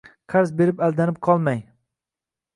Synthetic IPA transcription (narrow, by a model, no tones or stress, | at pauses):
qʰaɾzbe̞ɾɪpalˠd̪anɪp̚qʰɒlˠmaj